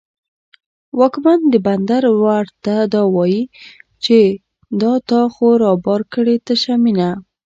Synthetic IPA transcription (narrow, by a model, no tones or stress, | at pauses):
wɑkmand̪əband̪aɾwaɾt̪ad̪ɑwɑjit͡ʃe | d̪ɑt̪ɑxoɾɑbɑɾkəɽet̪aʃamina